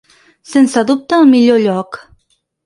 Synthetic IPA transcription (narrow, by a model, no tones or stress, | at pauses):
sensaðup̚t̪amiʎʲoʎʲɔk